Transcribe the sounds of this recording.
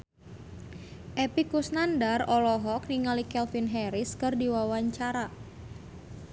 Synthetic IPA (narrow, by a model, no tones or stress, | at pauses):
ʔɛpikusnandarɔlɔɦɔkniŋalikɛlfinɦɛɾɪskərdiwawaɲt͡ʃaɾa